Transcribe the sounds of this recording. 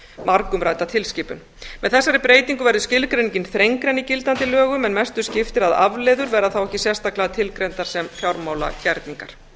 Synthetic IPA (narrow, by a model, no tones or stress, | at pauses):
maɾkʏmɾaːjt̪at̪ʰɪlscɪːpʏn | mɛðθɛsːaɾɪpɾeːjt̪iŋkʏvɛɾðʏscɪlkɾeniɲcɪnθɾejŋkɾɛnicɪlt̪ant̪ɪlœːɣʏmɛnmɛst̪ʏscɪft̪ɪɾaða̰vleːðʏɾvɛːɾaθawɛhcɪsjɛst̪aklaðat̪ʰɪlkɾejnt̪aɾ̥sɛmfjawɾmawla̰cɛɾt̪niŋkaɾ̥